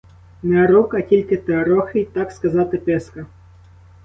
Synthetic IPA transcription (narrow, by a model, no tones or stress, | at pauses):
nɛɐɾɔkɐtʲilʲkɪt̪eɐɾɔxɪjt̪akskɐzɑt̪ɪpɛskɐ